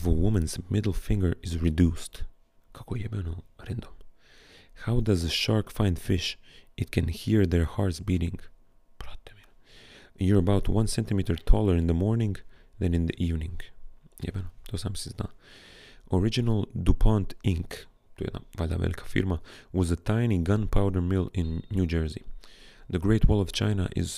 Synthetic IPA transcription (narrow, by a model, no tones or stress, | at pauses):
vəwʊmɨ̃nzmɪdl̩ˠfɪ̃ŋɡə˞ɪzɹidust | kʰakojɛbɛnoɾɛ̃nd̪õm | hawdʌzəʃɑɹkfãɪ̃nd̥fɪʃʔɨt̚kʰɨ̃nhiɹðəɹhaɹtsbiɾɪ̃ŋ | pɾɑt̪ɛm | jəɹəbaʊtʰwʌ̃nsɛ̃ntɨmiɾə˞tʰɔlˠə˞ɨ̃nðəmɔɹnɪ̃ŋðɨ̃nɨ̃nðiʔivnɪ̃ŋjɛ̰vɛnd̪osãmsɪzdã | ʔɔɹɪd͡ʒɨnəl̩ˠdupʰɑ̃ntɪ̃ŋk | tṵ̃vaɪd̪a̰mɛ̰ɾɪkʰḁfɪ̰ɹmawʌzətʰãɪ̃niɡʌ̃npʰaʊdə˞mɪlˠɪ̃nːjud͡ʒɜ˞zḭðɨɡɹeɪtʰwɔlˠʌv̥t͡ʃʰã̰ɪ̃na̰ʔɪ̰z̥